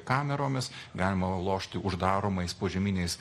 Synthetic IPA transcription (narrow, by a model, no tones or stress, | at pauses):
kɑːmʲɛɾoːmʲɪsɡɑːlʲɪmɐlˠoːʃʲt̪ʲɪʔʊʒd̪ɑːɾoːmɐɪspoːʒʲɛmʲɪnʲɛɪs